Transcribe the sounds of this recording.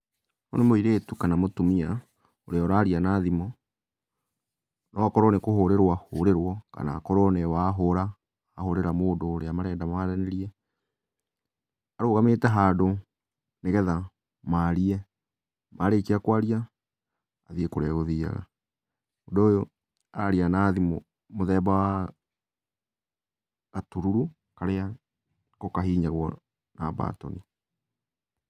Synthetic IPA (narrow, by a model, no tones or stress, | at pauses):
o̰nemoiɾeːtukanamotumia | oɾeɔɾaːɾianaðimɔ | nʔɔakɔɾɔnekoɦoɾeɾwahoɾeɾwɔka̰na̰kɔɾɔnɛwaɦoɾaː | hoɾeɾamoːdoːɾeamaɾɛːdamaɾɛneɾiɛ | aɾoːɣameːtɛɦaːdo | neɣɛða | maːɾiɛ | maɾekiakwaɾia | aðiekoɾɛɣoðiːa̰ɣa̰ | odoːjo | aɾianaːðim | moðɛːbawa | atuɾuɾu | kaɾea | kokaɦiːɲaɣwɔ | naba̰ːtɔ̰ni